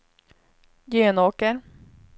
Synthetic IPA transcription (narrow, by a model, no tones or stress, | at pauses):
jeːnoːkəɾ